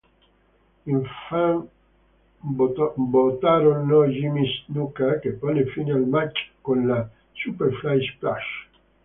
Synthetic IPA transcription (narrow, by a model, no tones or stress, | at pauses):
iɱfaŋ | bot̪aɾonːɔʒimisnukakepːanefinealmat͡ʃːkonla | supeɾflajsplaʃ